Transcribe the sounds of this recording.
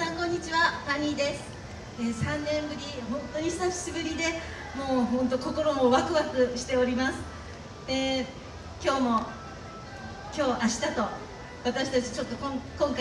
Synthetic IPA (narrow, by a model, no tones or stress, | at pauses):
sãŋkõ̞ɲ̟ːit͡ɕiβapaɲʲid̪e̞sɨ̥ | esãnːẽ̞mbɯ̟ɾʲiɦõ̞nt̪o̞ɲ̟isaɕibɯ̟ɾʲid̪e̞ | mo̞ːɦõ̞nt̪o̞ko̞ko̞ɾo̞mo̞βakɯ̟βakɯ̟ɕi̥t̪e̞o̞ɾʲimasɨ̥ | d̪e̞ | kʲo̞ːmo̞ | kʲo̞ːʔaɕi̥t̪at̪o̞ | βat̪aɕi̥t̪at͡ɕi̥t͡ɕo̞t̪ːo̞kõŋkõ̞ŋka